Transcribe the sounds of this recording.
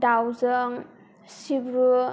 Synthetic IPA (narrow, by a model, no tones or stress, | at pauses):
dawzəŋ | sibɾu